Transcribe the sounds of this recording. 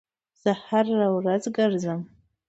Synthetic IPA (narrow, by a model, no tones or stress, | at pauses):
z̥aharːawɾazɡɨɾzəm